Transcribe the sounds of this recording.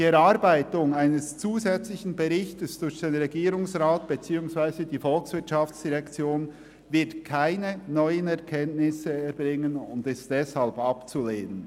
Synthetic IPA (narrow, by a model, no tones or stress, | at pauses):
diɛɾaɾbaɪtʊŋaɪnəst͡suːzɛt͡slɪçn̩bɛʁɪçtəsd̥ʊɾçd̥enʁɛɡiːɾʊŋsʁaːt̚b̥et͡siːʊŋsv̥aɪzədiːfɔlksv̥ɪɐtʃaft͡sd̥iʁɛkt͡sjoːn | vɪɐtkʰaɪnənɔʏənɛʁkʰɛntnɪsəɛɾbʁɪŋənʊndɪstd̥ɛshalbɑpt͡suleːnən